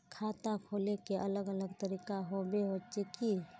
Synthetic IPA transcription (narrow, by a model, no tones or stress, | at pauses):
kʰat̪akʰolekeʔələɡələɡt̪əɾikaɦobeɦot͡ʃeki